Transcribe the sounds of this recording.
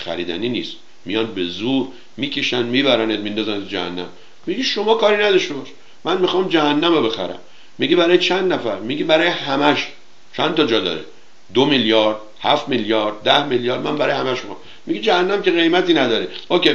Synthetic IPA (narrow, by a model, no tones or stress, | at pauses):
xæ̰ɾḭːd̪æ̰niːniːst̪ | mijɒnbe̞zuɾ | miːkʰeʃænmiːbæɾænet̪mind̪ɒzæned͡ʒæ̰hæ̰nːæ̰m | miɡiʃo̞mɒːkʰɒːɾinæd̪ɒʃt̪ebɒʃi | mænmixɑːmd͡ʒæhænːæmobe̞xæ̰ɾæ̰mː | iɡibæɾɒːjet͡ʃʰænd̪næfæɾmiɡibæɾɒːjehæmæʃ | t͡ʃʰænt̪ʰɒd͡ʒɒd̪ɒ̰ːɾḛ | d̪omiljɒɾd̪̥ | hæft̪miljɒːɾd̪̚d̪æhmiljɒːɾd̪mænbæɾɒːjehæmæʃmixɑm | miɡid͡ʒæhænːæmceɣe̞jmæt̪iːnæd̪ɒːɾeokʲe